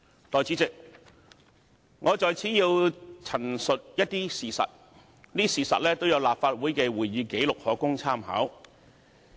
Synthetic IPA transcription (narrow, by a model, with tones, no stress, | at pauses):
t̪ɔː˨jt͡si˨˥t͡sɪ˨k̚ | ŋʔɔː˨˧t͡sɔː˨jt͡sʰiː˨˥jiː˧wt͡sʰɐ˨˩nsɵ˨t̚jɐ˥t̚t̪iː˥siː˨˩sɐ̰˨t̚ | niː˥siː˨˩sɐ̰˨t̚lɛː˥t̪o˥wjɐ˧wlaː˨p̚faː˧t̚wu˨˥jkɛː˧wuː˨˩jjiː˨˧ke˨˥jlʊ˨k̚hɔː˨kʊ˥ŋt͡sʰaː˥mɦa̰ː˨˥w